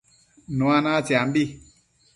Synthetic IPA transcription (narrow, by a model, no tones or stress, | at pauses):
nũanat͡ʃiambi